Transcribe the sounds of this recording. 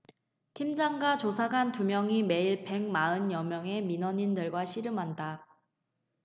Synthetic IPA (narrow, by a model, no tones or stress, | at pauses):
tʰimd͡ʑaŋɡat͡ɕosʰaɡantumjʌŋime̞iɭpe̞ŋmaɯnjʌmjʌŋe̞minʌɲindɯɭɡwaɕʰiɾɯmɦanda